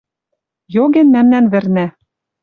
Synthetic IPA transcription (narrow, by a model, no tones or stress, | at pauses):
joɣɘ̆nmæmnænβɘ̆rnæ